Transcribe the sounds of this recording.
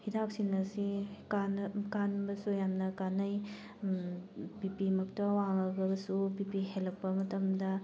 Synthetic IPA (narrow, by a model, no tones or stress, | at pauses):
hidap̚sinɐsikankanbɐsujamnɐkanɐj | bipimɐk̚tɐwaŋɐɡɐbɐsubipihelɐk̚pɐmɐtɐmdɐ